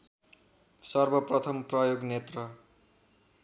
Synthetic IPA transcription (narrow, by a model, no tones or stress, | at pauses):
sʌrbʱʌprʌt̪ʰʌmprʌjoɡnet̪rʌ